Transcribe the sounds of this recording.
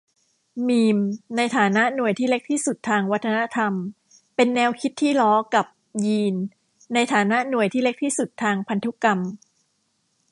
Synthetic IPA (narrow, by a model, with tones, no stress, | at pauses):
miː˧mna˧jt̪ʰaː˩˦na˦˥ʔnu˨˩əjt̪ʰiː˥˩le˦˥k̚t̪ʰiː˥˩su˨˩t̪ʰːaː˧ŋwa˦˥t̪ʰːa˧na˦˥t̪ʰa˧m | pe˧nːɛː˧wkʰi˦˥t̪ʰːiː˥˩lɔː˦˥ka˨˩p̚ | jiː˧nː | a˧jt̪ʰaː˩˦na˦˥ʔnu˨˩əjt̪ʰiː˥˩le˦˥k̚t̪ʰiː˥˩su˨˩t̪ʰːaː˧ŋpʰa˧nt̪ʰu˦˥ka˧m